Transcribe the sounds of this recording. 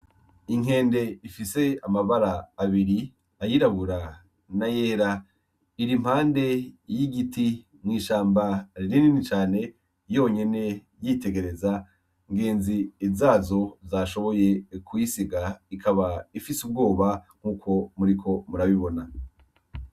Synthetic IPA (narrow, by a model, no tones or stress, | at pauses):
iŋe̞ːnde̞ifise̞amaβaɾaːβiɾi | ajiɾaβuɾa | naje̞ːɾa | iɾim̥haːnde̞jiɡiti | mŋiːʃaːmbaɾiɾininit͡ʃaːne̞ | jo̞ɲe̞ne̞ | jite̞ɡe̞ɾe̞za | ŋɡe̞ːnzizaːzo̞zaːʃo̞βo̞je̞kuisiɡaikʰaβaifisub̚ɡo̞ːβaŋ̥uːkʰo̞muɾikʰo̞muɾaβiβo̞na